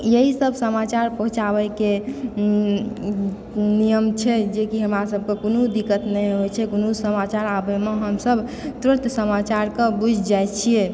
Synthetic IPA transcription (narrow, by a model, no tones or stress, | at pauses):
jeɦisəbsəmat͡ʃaɾpəɦũt͡ʃabɛke | nijəmt͡ʃʰɛd͡ʒekiɦəmɾasəb̚ʱkekonud̪ikət̪nɛjɦojt͡ʃʰɛkonusəmat͡ʃaɾabemeɦəmsəbʱt̪uɾət̪səmat͡ʃaɾkebud͡ʒʱd͡ʒajt͡ʃʰije